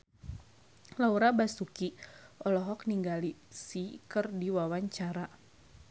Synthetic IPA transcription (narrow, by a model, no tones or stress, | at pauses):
lauɾabasukiʔɔlɔɦɔk̚niŋɡalisikərdiwawaɲt͡ʃaɾa